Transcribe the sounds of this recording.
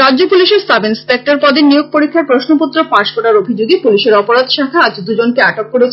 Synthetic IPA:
ɾadd͡ʑopuliʃeɾsabʱensek̚ʈaɾpɔd̪enijoɡ̚poɾikʰːaɾpɾoʃnoput̪ːɾopaʃkoɾaɾobʱid͡ʑoɡepuliʃeɾɔpoɾad̪ʃakʰaad͡ʑd̪ud͡ʑonkeaʈokːoɾet͡ɕʰ

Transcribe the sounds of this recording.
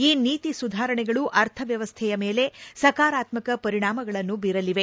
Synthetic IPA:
iːniːt̪isud̪ʱaːɾɐɳɛɡɐɭuʔɐɾt̪ʰɐʋjɐʋɐst̪ʰɛjɐmeːle̞sɐkaːɾaːt̪mɐkɐpɐɾiɳaːmɐɡɐɭɐnːubiɾɐliʋe̞

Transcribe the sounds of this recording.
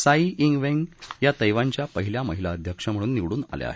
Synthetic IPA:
saiʔiŋɡʋẽŋɡjat̪əjʋaɲt͡ɕjapəɦiljaməɦilaəd̪ʱjəkʂəm̤əɽ̃uːnːiʋɽuːna̰lj̰a̰ɦe

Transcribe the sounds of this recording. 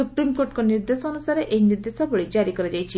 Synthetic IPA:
upɾimkoɾʈkɔniɾd̪esɔːnusaɾeʔejniɾd̪esɔbɔɭid͡ʒaɾikɔɾɔd͡ʒajt͡ʃʰi

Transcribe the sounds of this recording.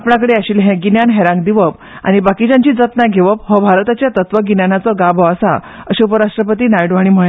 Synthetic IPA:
apɳãkəɽeəɕiːlɦɛ̃ɡinjanɦɛɾãŋɡd̪iʋəp | a̰ɽ̃ibakid͡ʑaɲt͡ɕiːd͡zət̪naɡʱeʋəp̚ɦɔbʱaɾt̪at͡ɕjat̪ət̪ʋəɡinjanat͡sɔɡabʱɔəsa̰əɕeupəɾaʂʈɾəpət̪iːnajɽʋaɽ̃im̤ə

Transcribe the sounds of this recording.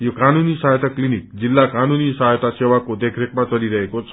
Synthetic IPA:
jokanunisajt̪aklinik̚d͡zilːakanunisajt̪asewakod̪ekʰɾekmat͡sʌliɾʌɦekot͡sʰʌ

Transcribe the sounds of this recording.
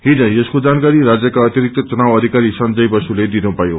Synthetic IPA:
ɦid͡zʌ̃eskod͡zankaɾiɾad͡zjʌkaʌt̪jʌɾik̚t̪ʌt͡sunawʌd̪ʱikaɾisʌnd͡zʌjbʌsuled̪inupajo

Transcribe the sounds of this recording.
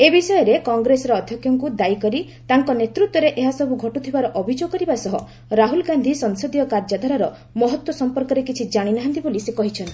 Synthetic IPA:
ebisɔjɔɾekɔŋɡɾesɔɾɔːd̪ʱjɔkjɔŋkud̪ajkɔɾi | t̪aŋkɔnet̪ɾut̪wɔɾeʔeɦasɔbuɡʱɔʈut̪ʰibaɾɔʔɔbʱid͡ʒoɡɔkɔɾibasɔɦɔ | ɾaɦulɡand̪ʱisɔŋsod̪ijɔkaɾd͡ʒad̪ʱɔɾaɾɔ | mɔɦɔt̪wɔsɔmpɔɾkɔɾekit͡ʃʰid͡ʒaɽ̃inaɦant̪ibolisekɔɦit͡ʃʰɔnt̪i̥

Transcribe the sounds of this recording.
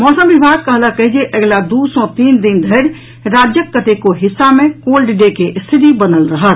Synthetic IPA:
mɔsəmbibʱaɡ̚kəɦləkəɦid͡ʒeʔəɡlad̪usɔ̃t̪ind̪ind̪ʱəɾ | ɾad͡ʒjəkːət̪ekoɦisːamẽkolɖiɖekeʔst̪ʰit̪ibənəlɾəɦət̪

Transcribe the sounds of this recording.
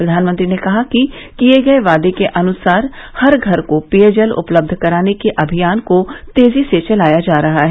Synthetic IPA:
pɾɐd̪ʱaːnmə̃nt̪ɾinekɐɦaki | kijeɡɐeʋaːd̪ekeʔɐnʊsaːɾ | hɐɾɡʱɐɾkopiəd͡ʒəlʊ̰pləb̚d̪ʱkɐɾaːnekeʔɐbʱijaːnkot̪eːziset͡ʃɐlaːjad͡ʒaːɾɐɦaɦɛː

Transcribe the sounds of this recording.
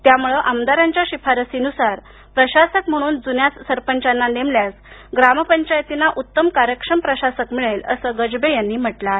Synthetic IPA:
t̪jamuɭəʔamd̪aɾaɲt͡ɕjaɕipʰaɾəsinusaɾ | pɾəɕasəkm̤əɽ̃uːnd͡zunjat͡ssəɾpəɲt͡ɕanːanemljas | ɡɾaməpəɲt͡ɕajt̪inaʔut̪ːəmkaɾjəkʂəmpɾəɕasəkmiɭeləsəɡəd͡ʑbejanːiːm̤əʈla

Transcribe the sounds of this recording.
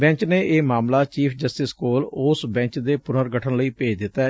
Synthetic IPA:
bɛ̃ɲt͡ʃneːʔeːmaːmlaːt͡ʃiːpʰd͡ʒəsʈɪskoːlʊsbɛ̃ːɲt͡ʃd̪eːpʊnəɾɡəʈʰənləiːpeːd͡ʒd̪ɪt̪ːa

